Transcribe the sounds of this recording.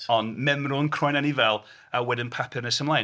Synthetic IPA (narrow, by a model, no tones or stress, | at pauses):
ɔnmɛmrʊnkʰr̥ɔjnɛnivɛlˠ | awɛdɪnpʰapʰɪrnəsəmlˠa